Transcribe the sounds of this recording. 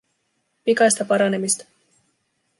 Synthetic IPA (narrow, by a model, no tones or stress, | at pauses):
pikɑjst̪ɑpɑɾɑne̞mist̪ɑ̥